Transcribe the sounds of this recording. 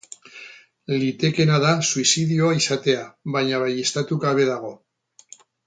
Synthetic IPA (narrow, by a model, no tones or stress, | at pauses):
lit̪e̞ke̞naðasuisiðio̞aisat̪e̞aβajɲaβajest̪at̪uɣaβ̞e̞ðaɣ̞o̞